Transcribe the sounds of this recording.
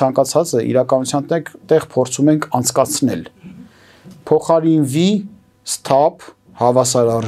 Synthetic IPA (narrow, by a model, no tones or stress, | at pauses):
ɑŋkɑt͡sʰɑt͡səʔḭɾɑkɑnut͡sʰjɑnt̪ɛkt̪ɛʁpʰɔɾt͡sʰumɛŋkʰɑnt͡sʰkɑt͡sʰnɛ̰l | pʰɔχɑɾinvi | st̪ʰɑpʰ | hɑvɑsɑɾɑr